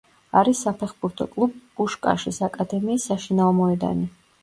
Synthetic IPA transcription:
aɾisːapʰɛχbuɾt̪ʰɔ̰kʼlˠubuʃkʼa̰ʃisakʼad̪ɛmiːsːaʃinaɔmɔɛd̪a̰ni

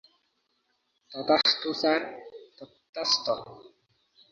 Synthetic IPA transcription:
t̪ɔt̪aχt̪usart̪ɔt̪ːast̪ɔ

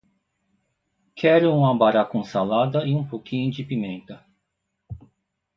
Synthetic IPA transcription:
kʰɛɾʊũmɐbaɾakõsalad̪ɐɪũpokʰĩɲʊd͡ʒɪpimẽnt̪ɐ

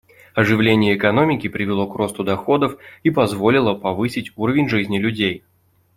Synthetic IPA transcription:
ɐʐɨvlʲenʲɪjəːkɐno̞mʲɪkʲɪpɾʲɪvʲɪlˠo̞kro̞st̪ʊd̪ɐxo̞d̪əfipɐzvo̞lʲɪlˠəpɐvɨsʲɪtʲuɾəvʲɪnʲʐɨzʲnʲɪlʲʉdʲej

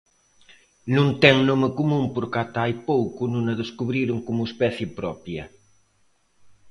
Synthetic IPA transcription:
nũŋt̪ɛŋnomekomũŋpoɾkat̪ajpowkʊnũŋɐðeskuβɾiɾʊŋkomʊespɛθjɪpɾɔpjɐ

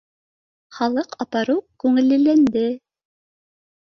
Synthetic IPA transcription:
χɑlˠɤqɑpɑɾukʉŋɘ̆lːɘ̆lːænd̪ɘ

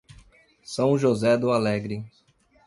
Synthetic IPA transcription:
sɐ̃w̃ʒozɛd̪ʊalɛɡɾɪ

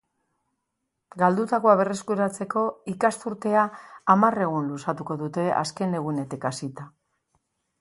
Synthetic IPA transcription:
ɡald̪ut̪akoaβ̞e̞re̞skuɾat͡se̞ko̞ikast̪uɾt̪e̞aːmare̞ɣ̞unlusat̪uko̞ðut̪e̞ʔa̰ske̞ne̞ɣ̞une̞t̪ikasit̪a

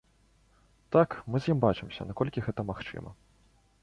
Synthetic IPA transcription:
t̪akmɨzʲjimbat͡ʂɨmsʲɐ̰nakɔlʲkʲiɣɛt̪ɐmaxt͡ʂɨ̰mɐ̰

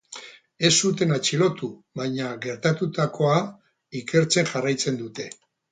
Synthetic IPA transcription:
e̞sut̪e̞nat͡ʃilo̞t̪u | βajɲaɡe̞ɾt̪at̪ut̪akʰo̞a | ike̞ɾt͡se̞ŋʝarajt͡se̞nd̪ut̪e̞

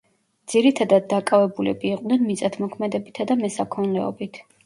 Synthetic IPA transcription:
d̪z̥iɾit̪ʰad̪ad̪̚ːakʼavɛbulɛ̰biːqʼd̪nɛnmit̪sʼat̪ʰmɔkʰmɛd̪ɛbit̪ʰad̪amɛsakʰɔnlɛɔ̰bit̪ʰ

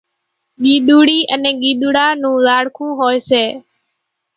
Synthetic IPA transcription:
ɠiːɗuːɽiːʔənɛ̃ːɠiːɗ̪uːɽaːnũːzaːɽkʰũːɦoːeːseː

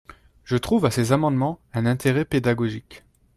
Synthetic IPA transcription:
ʒ̥ət̪χuvasezamɑ̃d̪mɑ̃ɛ̃nɛ̃t̪eʁɛped̪aɡɔʒik

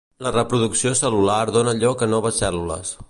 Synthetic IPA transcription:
lərəpɾuðuksiosəlulaɾðonəʎɔkənɔβəsːɛlulə̰s

